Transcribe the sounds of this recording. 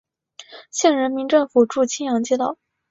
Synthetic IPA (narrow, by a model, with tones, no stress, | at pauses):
ɕjɛ˥˩nɻə˧˥nmi˧˥ŋʈ͡ʂɤ˥˩ŋfu˨˩ʈ͡ʂu˥˩t͡ɕʰi˥njɑ˧˥ŋt͡ɕjɛ˥t̪ɑ˥˩ʊ